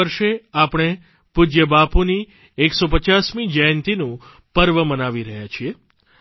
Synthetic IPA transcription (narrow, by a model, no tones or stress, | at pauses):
əɾʃeapɳ̃e | pud͡ʒjəbapuni | eksopət͡ʃasmid͡ʒəjnt̪inũ | pəɾʋəmənaʋiɾəɦjat͡ʃʰie